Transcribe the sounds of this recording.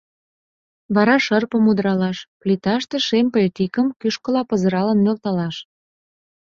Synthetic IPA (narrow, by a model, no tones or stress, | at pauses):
βɑɾɑʃərpəmud̪ɾɑlɑʃplit̪ɑʃt̪eʃempet̪ikəmkyʃkə̆lɑpəzə̆ɾɑlənmølt̪ɑlɑʃ